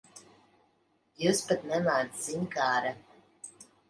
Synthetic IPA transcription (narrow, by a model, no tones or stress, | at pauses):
juspat̪nɛlaːd̪ziɲkaːɾa